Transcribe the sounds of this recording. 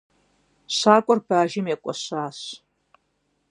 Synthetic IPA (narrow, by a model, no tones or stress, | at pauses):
ɕaːkʷʼɔrbaːʒɪmeːkʷʼɔɕaːɕ